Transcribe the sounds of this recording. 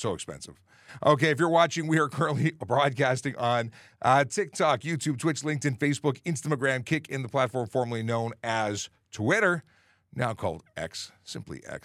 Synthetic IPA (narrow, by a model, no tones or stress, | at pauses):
soʊɨkspɛ̰̃nsɨ̰v̥ | ʔo̰ʊkeɪɨfjə˞wɑt͡ʃɪ̃ŋwiə˞kʰɜ˞ɨ̃nʔlibɹɔd̚kʰæstɪ̃ŋʔə̃n | tʰɪk̚tʰɑkjʉtʰʉb̚tʰw̥ɪt͡ʃlɪ̃ŋk̚tɨ̃nfeɪsb̥ʊkɪ̃nstɨəɡɹæ̃mkʰɪkɨ̃nðəpʰl̥ætfɔɹɱfɔɹməlˠinõʊ̃nɨz̥ | tʰwɪɾə˞ | naʊkʰɔ̰lˠdʔɛ̰ksːɪ̃mplḭʔɛ̰ks